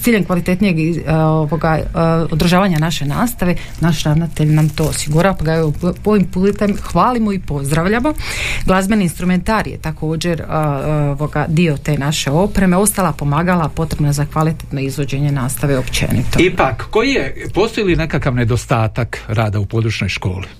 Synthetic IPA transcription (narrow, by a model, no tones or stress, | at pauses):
t̪iːʎenkʋalit̪e̞t̪nije̞ɡioʋo̞ɡaod̪ɾ̩ʒaːʋaɲanaʃe̞naːst̪aʋe̞ | naʃɾaʋnat̪e̞ʎnamt̪o̞ːosiɡuɾaopaɡaoʋimpuːt̪emxʋaːlimoipo̞zd̪ɾaʋʎamo̞ɡlˠazbeniinst̪ɾument̪aɾjḛt̪akʰo̞ːd͡ʑe̞ɾoʋoɡad̪io̞t̪e̞ːnaʃe̞o̞pɾe̞meo̞st̪alapo̞maːɡalˠapo̞t̪ɾe̞bnazakʋalit̪et̪no̞izʋo̞d͡ʑe̞ɲe̞naːst̪aʋeopt͡ʃḛnḭt̪oipakːo̞jijepo̞st̪ojiline̞kakaʋned̪o̞st̪aːt̪akɾaːd̪aupo̞d̪ɾuːt͡ʃɲo̞jʃko̞ːli